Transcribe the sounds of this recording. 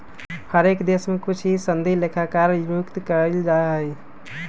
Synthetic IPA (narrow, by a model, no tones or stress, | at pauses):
həɾekd̪esmekut͡ʃʰisənd̪ʱilekʰakaɾjukt̪kəɾeld͡ʒaeɦəj